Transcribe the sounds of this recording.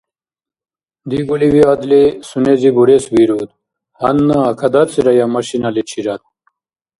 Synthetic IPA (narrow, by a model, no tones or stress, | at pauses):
d̪iɡuliwiad̪lesunezibuɾesbiɾut̪ | hɐnːaːkʰɐd̪ɐt͡siɾɐjamɐɕinɐlet͡ɕʰiɾat̪̚